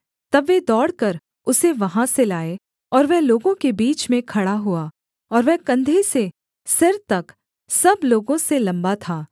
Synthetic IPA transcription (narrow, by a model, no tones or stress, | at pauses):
t̪ɐbʋed̪ɔːɽkɐɾ | ʊseʋɐɦãselaːe | ɔːɾʋɛɦloːɡõkebiːt͡ʃmẽkʰɐɽaɦuaː | ɔːɾʋɛɦkɐ̃nd̪ʱese | sɪɾt̪ɐk | sɐbloːɡõselɐ̃mbat̪ʰaː